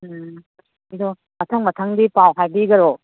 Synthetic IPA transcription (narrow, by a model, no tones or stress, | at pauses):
dɔ | mɐtʰaŋmɐtʰaŋdipawɦajbiɡɐɾo